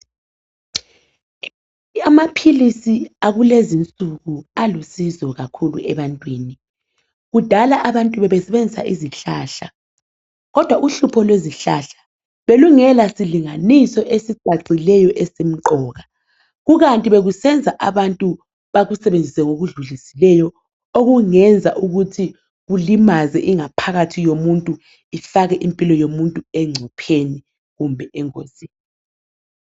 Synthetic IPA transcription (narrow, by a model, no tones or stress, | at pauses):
amapʰilisiaɣulezint͡sʼuɣualusizɔɣakʰulṵʔɛβantʼwiːni | ɣud̥ʱalaʔaβantʼuβɛβɛsɛβend͡zʱisa̰ʔiziɬaːɬa | ɣɔd̥ʱwaʔuɬupʰɔlweziɬaɬḁ | βeluŋɛlasiliŋanisɔʔesiǀaǀilɛjɔʔɛsem̩ǃɔːɣa | ɣuɣantʼiβeɣusɛnd͡zʱaʔaβantʼu | βaɣusɛβend͡zʱisɛŋoɣuɮuɮisilɛjɔ | oɣuŋɛnd͡zʱaʔuɣutʰi | ɣulimazɛʔiŋapʰaɣatʰijomuntʼu | ifaɣɛʔimpʼilɔjomuntʼuɛŋ͡ǀʱupʰeni | ɣumbʱɛʔɛŋkʰʼosiːni